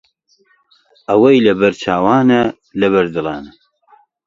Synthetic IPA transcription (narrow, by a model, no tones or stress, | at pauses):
ɐwɐjlɐbɐɾt͡ʃʰaːwaːnɐ | lɐβɐɾd̪ɨlˠɑːnɐ